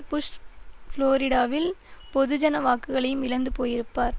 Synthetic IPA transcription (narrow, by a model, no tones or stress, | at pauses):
pʊʂʈfloːɾɪɽaːʋɪlpɔðɯd͡ʒɐnɐʋaːkːɯɣɐɭɐjɯmɪlɐnd̪ɯpoːjɪɾɯpːaːɾ